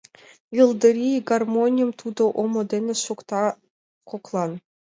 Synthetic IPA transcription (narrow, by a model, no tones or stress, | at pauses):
jɤ̆lˠd̪ɤ̆ɾʲiɡarmonʲijəmt̪ʰud̪ɤ̆ʔomŏd̪ʲĕnʲɘ̆ʃokt̪ɑ | kŏklˠɑn